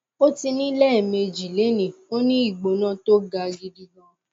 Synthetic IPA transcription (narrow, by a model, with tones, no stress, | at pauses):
o˦ti˧nĩ˦lɛː˦˨me˧d͡ʒi˨le˨˦nĩ˨o˦nĩ˦i˦˨ɡ͡bo˨nã˦to˦ɡa˧ɡi˧di˧ɡɔ̃˧˦